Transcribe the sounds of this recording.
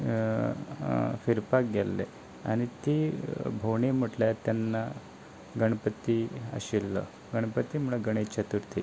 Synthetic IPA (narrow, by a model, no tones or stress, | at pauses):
fiɾpak̚ɡelːḛ | a̰ɽ̃it̪ebʱoɳem̤əʈljat̪ːjanːa | ɡəɳpət̪iə̰ɕilːə̰ | ɡəɳ̃pət̪im̤uɭaɡəɽ̃et͡ɕat̪uɾt̪i